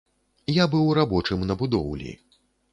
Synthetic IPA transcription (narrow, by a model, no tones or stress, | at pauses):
jabɨwɾabɔt͡ʂɨmnɐbud̪ɔwlʲḭ